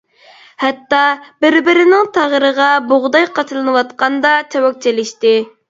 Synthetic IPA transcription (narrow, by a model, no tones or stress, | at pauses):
hɛt̪ːɑbɪɾbɪɾɪnɪŋt̪ʰɑʁəɾəʁɑboʁd̪ɑjqʰɑt͡ʃʰɨlˠɨnɨwɑt̪̚qɑnd̪ɑt͡ʃʰɛwɔk̚ʲt͡ʃʰelɪʃt̪ɪ